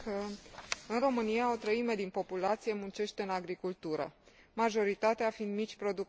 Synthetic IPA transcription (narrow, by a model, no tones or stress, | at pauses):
kəɨnro̞mɨnijao̞t̪ɾəime̞d̪inpo̞pulat̪sije̞munt͡ʃe̞ʃt̪e̞ɨnaɡɾikult̪uɾə̰ | maʒo̞ɾit̪at̪eafind̪mit͡ʃʲpɾo̞d̪uk